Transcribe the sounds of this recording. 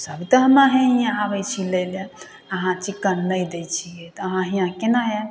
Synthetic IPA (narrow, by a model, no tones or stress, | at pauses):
səbʱt̪ɔɦəmaɦɛ̃ɦijãabɛjt͡ʃʰilele | əɦãt͡ʃikːənnəjd̪ejt͡ʃʰiɛt̪əɦãɦijãkenaɦɛ